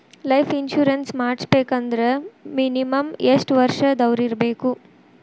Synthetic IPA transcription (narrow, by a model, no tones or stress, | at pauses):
lɐjpʰinʃuːɾɐnsmaːɽsbeːkɐnd̪ɐɾeminimɐmeʂʈʋɐɾʂɐd̪ɐʋɾiɾbeːku